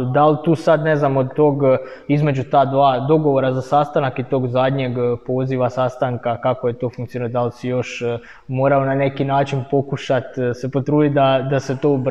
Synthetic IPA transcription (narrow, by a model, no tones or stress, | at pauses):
d̪alt̪uːsad̪ne̞znamod̪̚t̪o̞ːɡ | izme̞d͡ʑut̪aːd̪ʋaːd̪o̞ɡo̞ʋo̞ɾazasast̪anakit̪o̞ːɡzad̪ɲeɡpo̞ːziʋasast̪aŋkakako̞je̞t̪o̞ːfuŋkt̪ionijd̪alsijo̞ʃ | mo̞ːɾaonane̞kinaːt͡ʃinpo̞kuʃat̪se̞po̞t̪ɾuːd̪it̪̚d̪ad̪ase̞t̪o̞ːub